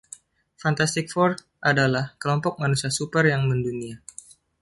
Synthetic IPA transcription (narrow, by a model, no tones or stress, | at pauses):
fant̪ast̪ik̚fɔrt̪̚ | ʔadalahkəlɔmpɔk̚manusiasupərjaŋməndunia